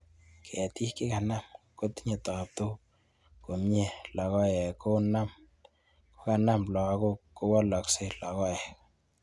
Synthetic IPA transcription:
kʰɛ˨ti˦kɪ˦ka˨na˦mko˦tɲe˨tɔ˨p̚to˦ | ko˨mɲe˦˨lɔ˨kɔ˦jɛ˨ko˦na˦m | ko̥˦ka˨na˦mlɔ˨˦ko˦ko˦wɔ˦lɔ˨kse˦lɔ˨kɔ˦jɛ˨k

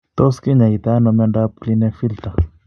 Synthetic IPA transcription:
t̪o˦ski˦ɲa˨i˨t̪a˦na˨me˦ɳda˦p̚kli˦ne˦fi˦lt̪a˨

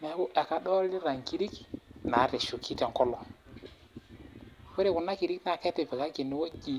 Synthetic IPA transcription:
mɛ˨˦ku˦ʔɛ˨ka˨ɗɔ˦li˦ɾa˨ŋ˨ki˦ɾi˦kna˨˦ɾɛ˨ʃu˨ki˦tɛ˨ŋ˦kɔ˦lɔ˨ | wɛ˦ɾe˦˨kʊ˨na˦ki˨ɾi˦kna˨kɛ˦tɛ˨vɛ˨ka˦ki˨nːɪ˦wo˦ɡi˦

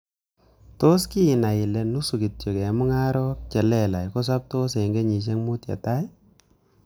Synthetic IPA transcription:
to˦ski˦ɪ˨na˨ɪ˨lɛ˨nu˦su˨ki˨tjo˨kɛ˨mʊ˦ŋa˦ɾɔ˦p̚t͡ʃɛ˨lɛ˦la˨jkɔ˦s̬a˦p̚to˦s̬e˨i˨ŋɡe˦ɲi˨t͡ʃ̬ɛ˦ŋmu˦tja̰˨ta˦j

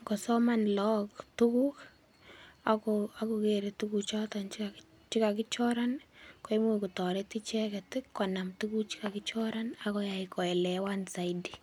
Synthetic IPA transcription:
kɔ˨sɔ˦manlɔ˦ktuku˦k | akoa˦ku˨keɾetukut͡ʃɔ˦tant͡ʃi | t͡ʃi˦ka˨kɪ˦t͡ʃɔ˦ɾanko˦imu˦ku˨tɔ˨ɾeti˦t͡ʃɛkɛtɪ˦kːɔna˨mtuku˦k̚t͡ʃi̥˦ka˨ki˦t͡ʃɔ˦ɾanakɔ˦jaikɔ˨ɛ˨lɛ˨wansa˨idi̥

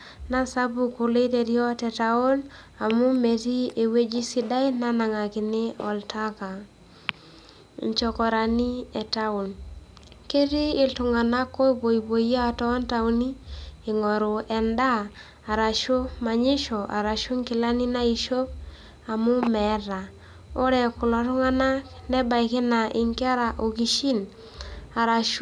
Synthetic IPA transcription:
na˦sa˦bu˨kʊ˨le˦te˨ɾjɔ˦tɛ˨ta˨o˦l | a˨mu˦me˨ti˦e˨we˦d͡ʒi˦si˦da˦jna˦na˨ŋa˨kɪ˨ne˦ɔ˨lta˦ka˨ | ɲt͡ʃɔ˨kɔ˨ɾa˨ni˦ɛ˨ta˦ʊ˨n | ke˦ɾiː˦˨ltʊ˨ŋa˨na˦kːɔ˦i˦bo˨i˨bo˨ja˦˨tɔ˦nta˨u˦ni˦ɪ˨ŋɔ˨ɾʊ˨ɛ˨ndaː˦˨ | ɾa˨ʃo˦ma˨ɲɪ˦ʃɔ˨ʔa̰˨ɾa˨ʃʊ˦ŋkɪ˨la˦ni˦na˦i˨ʃo˦p̚ | a˨mʊ˦mɛ˨˦ɾa˨ | o˦ɾɛ˨kʊ˨lɔ˨tʊ˦ŋa˦na˦knɛ˦ba˨i˨kɪ˦na˨ʔɪ˨ŋkɾa˨ʔo˨ki˨ʃi˦n | a˨ɾa˨ʃ

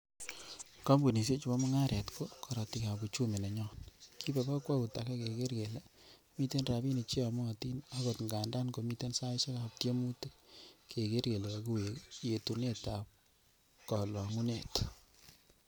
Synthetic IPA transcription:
kɔ˦mbu˨ni˨s̬e˦t͡ʃu˨bɔ˦mɔ˦ŋa˦ɾɛ˨tkʰo˦kʰɔ˨ɾɔ˨ti˨ka˨bu˨t͡ʃu˦me˨na˨ɲɔ˦nkʰi˦bɛ˨ka˦kwa˦ku˨ta˨kɛ˦ke˨ke˦ɾɡe˨lɛ˦ | mi˦te˦nra˨bi˦ni˨t͡ʃi˦a˨mʊ˦a˨ti˦na˦ɡo˨tŋɡa˨nda˦nko˨mi˦te˦nsa˦ʃe˦ka˦p̚tje˦mu˦te˦kʰe˨ke˦ɾɡe˨le˨a˨ku˦we˨je˨tu˨ne˦ta˨p̚ | kɔ˨lɔ˨ŋu˦ne˨t

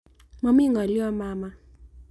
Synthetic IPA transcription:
ma˨m˦i˦ŋa˨li˦ɔ˦maː˦ma˦

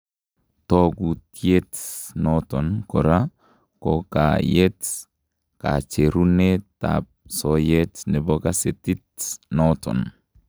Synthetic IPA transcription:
to˦ɡutie˦tnɔtɔ˨nko˨ɾa˦ | koka˨jet | ka̰˨t͡ʃe˨ɾu˦ne˦ta̰p̚soje˦tnɛ˨bo˦ka˦se˨ti˦tnɔtɔ̰˨n

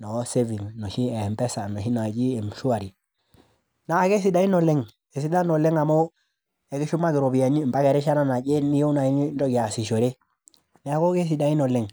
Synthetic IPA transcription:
no˨˦se˦vi˨ŋno˨ʃi˦e˨mpe˦sa˨no˨ʃi˦na˨d͡ʒi˦e˨m˨ʃu˦a˨ɾi˨ | na˨ke˦s̬i˦da˦i˦no˨le˦ŋ | e˨si˦da˦no˨le˦ŋa˨mo˦ | e˨ɡi˦ʃu˦ma˦ɡi˨ɾo˨bi˨ja˨ɲi˦˨mba˦ke˨ɾe˦ʃa˦no˦na˨ɟe˦ni˦je˦u˦na˨i˦ni˦ndo˦ɡi˨a˨si˨ʃo˨ɾe˦ | ne˨a˨ko˦ke˦s̬i˨da˨i˦no˨le˨ŋ

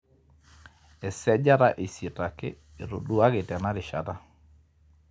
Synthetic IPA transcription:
ɛ˨sɛ˦d͡ʒa˦ɾa˦ʔi˨si˨ta˨kɪ˦ | e˨ɾo̰˨du˦a˦ɡɪ˨tɛ˨na˦dɪ˨ʃa̰˨ta˦

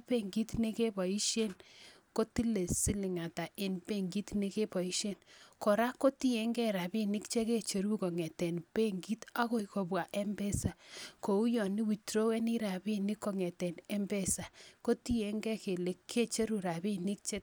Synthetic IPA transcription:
pe˦˨ŋɡi˦tne˦ke˦bɔ˨i˦ʃje˦n | ko˦ti˦le˨si˦lɪ˨ŋa˨ta˨ʔe˨npe˦ŋɡi˦tne˦ke˦pɔ˨i˦ʃe˦nko˨ɾa˦ko˦ti˦e˦ŋɡɛ˦ɾa˨bi˦nɪ˦kt͡ʃe˦ke˦t͡ʃe˨ɾu˦ko˨ŋɛ˨tɛ˨npe˦ŋɡi˦ta˦ɣo˦iko˨bwa˨ʔe˦mbɛ˦sa˨ko˨u˦jɔ˨ni˦wi˨tɾo˦wɛ˦ni˦ɾa˨bi˦ni˦kːo˨ŋɛ˨tɛ˨nɛ˦mbɛ˦˨sa˨ko˦ti˦je˨˦ŋɡɛ˦ke˨le˨kʰːe˦t͡ʃe˦ɾu˨ɾa˨bi˦ni˦k̚t͡ʃe˦t̚

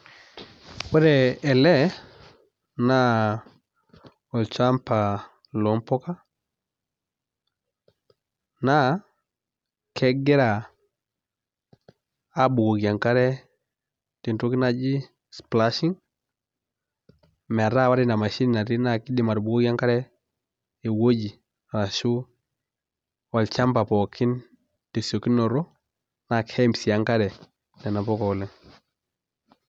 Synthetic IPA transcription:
wɛ˦ɾɛ˨ɛ˨lɛ˦ | na˦ | ɔ˨lt͡ʃa˦mpa˨ | lɔ˨mpɔ˦ka˦ | na˦ | kʰɛ˦ɡɛ˦ɾa˨ | a˦bu˨ɣo˨ɣja˨ŋka˦ɾɛ˦ | ti˨nto˦ki˦na˦d͡ʒi˦ | spla˦ʃi˦ŋ | mɛ˨ɾa˦˨wa˦ɾi˦na˨ma˨ʃi˦ni˨na˨ɾi˦na˨ki˦di˦ma˨ɾbu˨ɡo˦kja˦ŋka˦ɾɛ˦ | e˨wo˦ɟi˨ | ɾa˨ʃu˦ | wa˨lt͡ʃa˦mpa˨pɔ˨kʰi˦n | te˨so˨ki˦nːɔ˨ɾo˦ | na˨khe˦msi˨a˦ŋka˦ɾɛ˨ | nɛ˨na˨pɔ˦kɔ˨lɛ˦ŋ

